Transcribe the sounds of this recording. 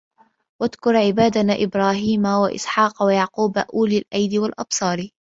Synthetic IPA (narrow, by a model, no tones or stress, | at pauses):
wad̪kʊɾˤʕɪbaːd̪anaːʔɪbɾˤaːɦiːmawaʔɪ̰sħɑːqwajaʕquːbaʔuːlɪlʔajd̪ɪwalʔɑ̰b̥sˤɑːɾi